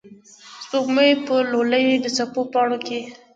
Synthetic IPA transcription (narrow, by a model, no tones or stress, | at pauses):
sp̪oɡməjpəloləjd̪ət͡sapopɑɽoke